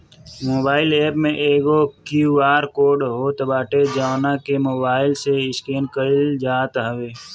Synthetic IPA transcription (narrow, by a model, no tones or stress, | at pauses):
moːbaːɪleːpmẽʔeːɡokuʋaːɾkoːɖɦoːt̪əbaːʈed͡ʒaːʋnakemoːbaːɪlseɪskeːnkəɪld͡ʒaːt̪ɦəʋeː